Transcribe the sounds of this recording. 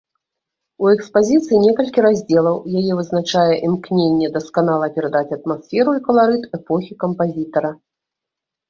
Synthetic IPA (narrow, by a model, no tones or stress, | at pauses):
uɛkspazʲit̪sɨinʲɛkɐlʲkʲiɾazʲd͡zʲɛlˠɐwjajɛvɨznat͡ʂajɛʔimknʲenʲːɛd̪ɐskanalˠɐpʲɛɾad̪at͡sʲɐt̪̚masfʲɛɾuikɐlˠaɾɨt̪ɛpɔxʲikɐmpazʲit̪ɐɾɐ